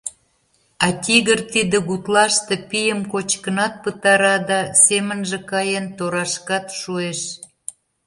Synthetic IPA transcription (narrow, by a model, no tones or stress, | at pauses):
ɑt̪ʲiɣərt̪id̪ə̆ɣut̪lɑʃt̪ĕpijəmkot͡ɕkənɑt̪̚pət̪ɑɾɑd̪ɑsemənʒĕkɑjənt̪oɾɑʃkɑt̪ʃueʃ